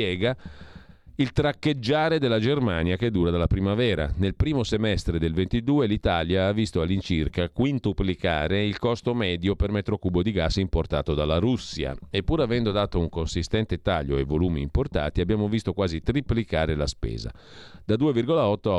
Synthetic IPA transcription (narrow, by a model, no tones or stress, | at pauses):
ɛːɡa | ilt̪ɾakːed͡ʒːaːɾed̪elːad͡ʒermaːnjaked̪ːuːɾad̪alapɾimavɛːɾa̰nelpɾiːmosemɛst̪ɾed̪elvent̪id̪uːelit̪aljaavːist̪oalːint͡ʃirkakwint̪uplika̰ːɾeilkɔst̪omɛːd̪jopermet̪ɾokuːbod̪iɡasimport̪a̰ːt̪od̪alaɾusːja̰epːuːɾavɛnd̪od̪aːt̪ouŋkonsist̪ɛnt̪et̪aʎːoevoluːmḭːmport̪a̰ːt̪iabːjaːmovist̪okwaːzit̪ɾiplikaːɾelaspɛ̰ːza̰ | d̪ad̪uːevirɡolaɔt̪ːo